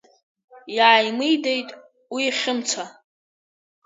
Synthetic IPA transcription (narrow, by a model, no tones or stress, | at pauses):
jaʕːajmɨjde̞jtʼ | wiχʲɪmt͡sʷʰa